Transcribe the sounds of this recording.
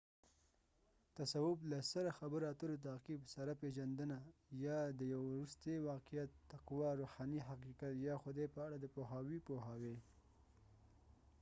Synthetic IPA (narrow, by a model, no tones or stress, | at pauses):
t̪asawʊblasaɾaxabəɾat̪əɾot̪̬aqibsaɾapeʒand̪ənajɑd̪əjawɾust̪ewɑqijat̪ːaqwɑɾuhɑniɦaqiqat̪jɑxʊd̪ajpəaɽad̪əpoɦɑwipoɦɑwe